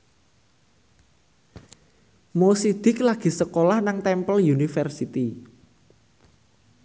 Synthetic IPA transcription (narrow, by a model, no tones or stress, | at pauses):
mosid̪̥ɪ̤klaɡ̥i̤səkolahnaŋt̪ɛmpəljunifərsit̪i